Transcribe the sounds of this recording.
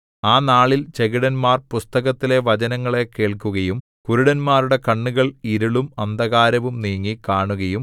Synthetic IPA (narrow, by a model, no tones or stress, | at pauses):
aːnaːɭilt͡ɕe̞ɣiɽɐnmaːrpust̪ɐɣɐt̪ːile̞ʋɐt͡ɕɐnɐŋːɐɭe̞ke̞ːɭkuɣɐjum | kuɾuɽɐnmaːruɽe̞kɐɳːuɣɐɭiɾuɭumɐnd̪ʱɐɣaːɾɐʋumniːŋːikaːɳuɣɐjum